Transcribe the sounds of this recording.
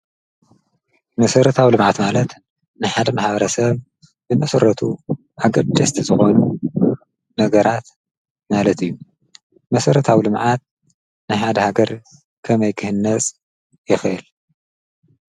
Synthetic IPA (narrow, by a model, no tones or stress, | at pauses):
mɐsɐɾɐt̪ʰawilɨmʕat̪malɐt̪ | nɨħad̪ɐmaħbɐɾɐsɐβ | bɨmɐsɐɾɐt̪ʰu | ʔaɡɐɾd̪ɐst̪ʰizɨxo̞nu | nɐɡɐɾat̪ | malɐt̪ʰɨjːu | mɐsɐɾɐt̪ʰawlɨmʕat̪̚ | nɨħad̪ɐhaɡɐɾ | kʰɐmɐjkʰɨhɨnːɐt͡sʼ | jɪxɐʔil